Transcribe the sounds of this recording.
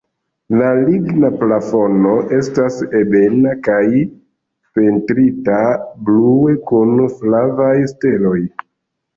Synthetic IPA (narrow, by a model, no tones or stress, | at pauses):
laliɡnaplafo̞no̞ʔe̞stase̞be̞nakaj | pe̞ntɾitabluekunflavajste̞lo̞j